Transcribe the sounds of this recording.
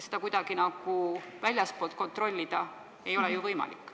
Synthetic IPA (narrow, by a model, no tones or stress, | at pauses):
sed̪̥ɑkujd̪ɑɡ̥inɑɡ̥uvælʲjɑspo̞lt̪̚ko̞nt̪ro̞lʲːid̪̥ɑ | e̞jo̞lɛjuvɤjmɑ̰lḭkːˑ